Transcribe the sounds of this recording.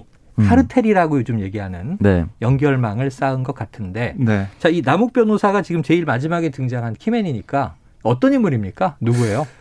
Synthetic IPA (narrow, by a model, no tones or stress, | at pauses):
kʰaɾɯtʰe̞ɾiɾaɡojod͡ʑomje̞ɡiɦanɯnnjʌŋɡjʌɭmaŋɯɭs͈aɯnɡʌk͈atʰɯnde̞et͡ɕainamuk̚p͈jʌnosʰaɡat͡ɕiɡɯmt͡ɕe̞iɭmad͡ʑimaɡe̞tɯŋd͡ʑaŋɦankʰimeɲiɲik͈a | ʌt͈ʌɲimuɾimɲik͈anuɡue̞jo